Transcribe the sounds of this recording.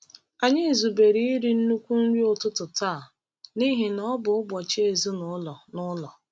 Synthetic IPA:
a˨ɲɪ˦˨zu˨be˨ɾi˦i˦ɾi˨n̩˦nu˦kʷu˦ŋ̩˦ɾʷi˦ʊ˦tʊ˦tʊ˨taː˦˨ | ni˦ɦe˨nɔ˦bʊ˨ʊ˦bʷɔ˨t͡ʃe˦e˨zu˦nʊ˨˦lɔ˨nʊ˦lɔ˨

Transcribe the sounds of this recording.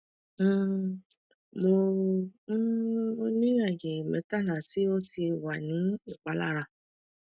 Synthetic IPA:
mo˧˦ | o˧nĩ˦ja˦˨ɡe˨mɛ̰̃˨˧˦ta˦˨la˨ti˦o˦ti˧wa˨nĩ˨˦i˦˨k͡pa˨˦la̰˦˨ɾa˧˨

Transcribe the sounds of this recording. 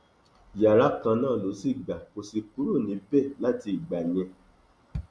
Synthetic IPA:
ja˨ɾa˨˦kã˧nãː˦˨lo˨˦si˦˨ɡ͡ba˨ko˧si˧ku˨˦ɾo˦˨nĩ˨˦bɛ˦˨la˦˨ti˧i˨ɡ͡ba˨ɲ˨ɛ̃˧

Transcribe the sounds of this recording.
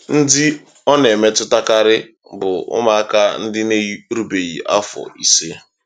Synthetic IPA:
n̩˦dɪ˦ | ɔ˦ne˨me˦tʊ˦ta˦ka˦ɾɪ˦ | bʊ˨ʊ̰˦ma˨a˦ka˦n̩˦dɪ˦ne˦ɾu˨be˨ɣḭ˨ʔa̰˦fɔ̰˨i˨se˦

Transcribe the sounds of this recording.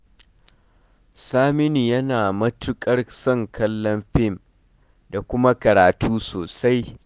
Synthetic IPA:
saː˦mɪ˦niː˨jɐ˦naː˨mɐ˦tʊ˦kʼɐ˦rsɔ˦˨ŋkʰɐ˦lːɔ˦mɸɪ˦˨m | da˨kʷʊ˦ma˦kɐ˨ɾaː˨tuː˦soː˨sa˦j

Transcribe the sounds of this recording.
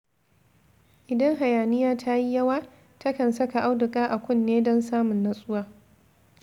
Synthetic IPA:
ʔɪ˨dɐ˦ŋɦa˨jaː˨nɪ˦jaː˦tʰa˦ji˦jɐ˦waː˦ | tʰɐ˦kɐ˨nsɐ˦ka˨ʔa˦wdʊ˨kʼaː˦ʔa˨kʷʊ˦˨nːeː˦dɔ˦nsaː˦mʊ˨nːa˦sʼʊ˦waː˦

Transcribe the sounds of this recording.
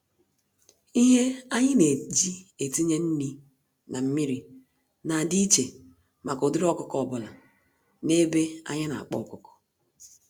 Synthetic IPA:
i˦ɦe˦a˦ɲɪ˦ne˨d͡ʒi˦e˨ti˦ɲe˦n̩˦ni˦ | na˨m̩˦mi˦ɾi˨ | na˨di˦t͡ʃe˨ | ma˨ko˨dʊ˦ɾɔ˦kʊ˦kɔ˨bʊ˨la˨ | ne˦be˦a̰˦ɲɪ˦na̰˨a̰˨k͡pɔ̰˦˨kʊ˦kɔ̥˨

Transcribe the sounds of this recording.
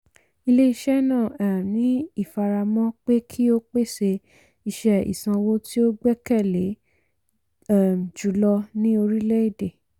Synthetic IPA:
i˧le˦i˧ʃɛ˦nã˦˨ɛ˨mnĩ˨˦i˦˨fa˧ɾa˧mɔ̃˦k͡pe˦kʰi˦o˦k͡pe˦˨se˧ | i˧ʃɛ˧ḭ˨sã˧wo˦ti˦o˦ɡ͡bɛ˦kɛ˦˨le˨˦ | ɛ˦˨m˨d͡ʒu˨˦lɔ˧nĩ˦o˧ɾi˦lɛ˦i˦˨de˨

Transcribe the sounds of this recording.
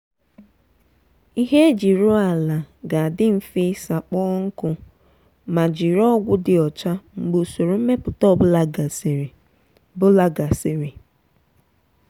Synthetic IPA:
i˦ɦe˦e˦d͡ʒi˨ɾʊ˦a˨la˨ɡa˨a˨dɪ˦m̩˨fi˦sa˨k͡pɔː˦ŋ̩˦kʊ˦ | ma˨d͡ʒi˨ɾɔ˦ɡʷʊ˦dɪ˨ɔ˨t͡ʃa˦ŋ͡m̩˨ɡ͡bo˨so˨ɾo˨m̩˦me˦pʊ˨tɔ˦˨bʊ˦la˦ɡa˨ɾ | bʊ˦la˦ɡa˨se˨ɾi˨

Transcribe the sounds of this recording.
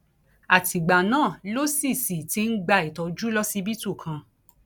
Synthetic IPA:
a˨ti˨ɡ͡ba˨nãː˦˨lo˦si˦˨si˨ti˧˦n̩˦ɡ͡ba˧˨i˨tɔ˧˦d͡ʒu˦lɔ˦si˦bi˦tu˦˨kʰã˧

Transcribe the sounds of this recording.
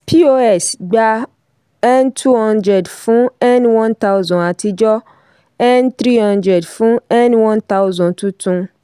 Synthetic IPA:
pi˦o˦ɛ˨sɡ͡ba˧ | ɛ˦ntʰu˦hɔ̃˦ndɾɛ˨dfũ˦ɛ˦nwɔ̃˦nt̪a˦wzɔ̃˨a˨ti˧d͡ʒɔ˦ | ɛ˦nt̪ɾi˦hɔ̃˦ndɾɛ˨dfũ˦ɛ˦nwɔ̃˦nt̪a˦ʊ˦zɔ̃˨ntũ˦tʰũ˦

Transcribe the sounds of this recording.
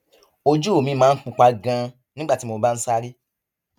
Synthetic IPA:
o˧d͡ʒu˦o˦˨mĩ˧˦mãː˦n̩˦k͡pũ˧k͡pa˧ɡã˧ | nĩ˦ɡ͡ba˦˨ti˦mo˧ba˦n̩˦sa˦ɾi˦

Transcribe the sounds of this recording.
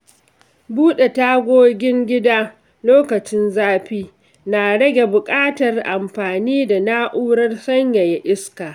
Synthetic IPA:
buː˦ɗe˨ta˦ɡʷoː˦ɡʲɪ˦ŋɡʲɪ˦daː˦ | loː˦kɐ˨t͡ʃɪ˦nzaː˦ɸiː˦ | na˨ɽɐ˦ɡʲe˨bʊ˨kʼaː˦tɐ˨rʔa˨mɸaː˨niː˦da˨na˦ʔuː˦ɽɐ˦rsɐ˦ɲja˨ja˨ʔɪ˦skaː˨

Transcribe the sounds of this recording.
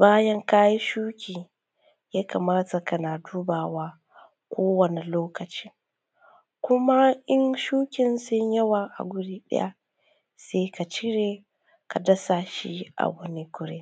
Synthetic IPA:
baː˦jɐ˦ŋka˦ji˦ʃuː˦kʲiː˨ | jaː˦ka˨maː˦ta˨kɐ˦naː˨duː˦baː˨waː˦ | kʷoː˦wɐ˨ne˨loː˦kɐ˨t͡ʃi̥˦ | kʷʊ˦ma˦ʔɪ˦ŋʃuː˦kʲɪ˨nsʊ˦ɲjɐ˦waː˨ʔa̰˨ɡʷʊ˦ɽiː˦ɗɐ̰˦ja̰˦ | seː˦ka˨t͡ʃɪ˦ɽeː˨ | ka˨dɐ˦sa˨ʃḭ˦ʔa̰˨wɐ˦ni˦kʷʊ˦ɽḛ˦

